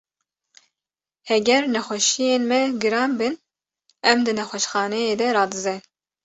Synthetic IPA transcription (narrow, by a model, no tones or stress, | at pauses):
hɛɡʲɛɾnɛxʷɛʃijeːnmɛɡɨɾɑːnbɨn | ɛmd̪ɨnɛxʷɛʃxɑːnɛjeːd̪ɛɾɑːd̪ɨzɛ